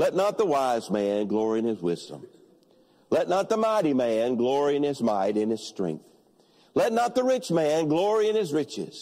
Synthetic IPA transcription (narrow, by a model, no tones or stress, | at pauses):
lɛtⁿnət̪̚ðəwaɪzmæ̃nɡlɔɹiɨ̃nɨzwɪzdə̰̃m | lɛtⁿnət̪̚ðəmaɪɾimæ̃nɡlɔɹiɨ̃nɪzmaɪɾɨ̃nɨz̥stɹ̥ɛ̰̃ŋk̚θ | lɛtⁿnət̪̚ðəɹɪt͡ʃmæ̃nɡlɔɹiɨ̃nɨzɹɪt͡ʃɪ̰z̥